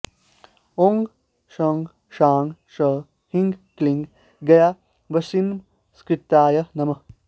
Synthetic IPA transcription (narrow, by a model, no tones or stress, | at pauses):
oŋɡ | ʃɐŋɡ | ʃaːŋɡʃɐ | hĩŋɡklĩŋɡ | ɡɐja | ʋɐsim | skɾɪt̪ːaːjɐnɐmɐ